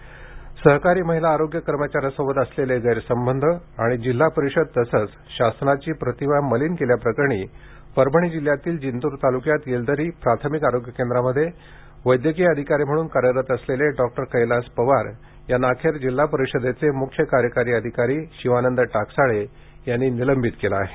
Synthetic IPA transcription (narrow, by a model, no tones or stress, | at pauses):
səɦkaɾiːməɦilaːɾoɡjəkəɾmət͡ɕaɾjasəbəd̪əsleleɡəjɾsəmbənd̪ʱə | aɽ̃id͡ʑilːapəɾiɕəd̪̚t̪əsət͡s | ɕasnat͡ɕiːpɾət̪iʋaməliːnkeljapɾəkəɾɳ̃iː | pəɾbʱəɳ̃id͡ʑil̤jat̪iːld͡ʑint̪uːɾt̪alukjat̪jeld̪əɾiːpɾat̪ʰəmikaɾoɡjəkend̪ɾaməd̪ʱːje | ʋəjd̪jəkiːəd̪ʱikaɾim̤əɽuːnkaɾjəɾət̪əsleleɖɔk̚ʈəɾkəjlaspəʋaɾ | janakʰeɾd͡ʑil̤ːapəɾiɕəd̪et͡semukʰːjəkaɾjəkaɾiːəd̪ʱikaɾiːɕiʋanənd̪əʈaksaɭe | janːiːniləmbʱit̪kelaːɦe